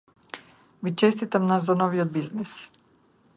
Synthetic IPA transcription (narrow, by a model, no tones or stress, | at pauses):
vit͡ʃest̪it̪amnaszanoviod̪̚biznis